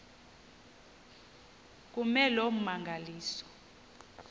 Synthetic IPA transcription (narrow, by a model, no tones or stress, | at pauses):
k̬umɛlom̩maŋɡʱaliːsɔ̥